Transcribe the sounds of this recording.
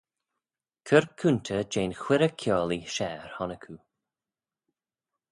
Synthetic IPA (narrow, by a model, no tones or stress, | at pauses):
kʰəɹkʰʉntʰəd͡ʒeːnxwɪɾəkʰjɔːliʃɛːɹhɔnəkʰu